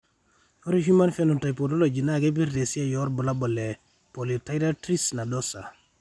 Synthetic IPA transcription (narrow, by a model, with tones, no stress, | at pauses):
o˦ɾihi˦ma˦nfenu˨ta˨jpo˨do˦lo˨d͡ʒi˨na˦ɡe˦be˦ɾde˨si˦a˦joɾbu˨la˦bo˨le˨ | po˨li˨ta˦jɾa˦tɾi˦sna˨dosa̰˨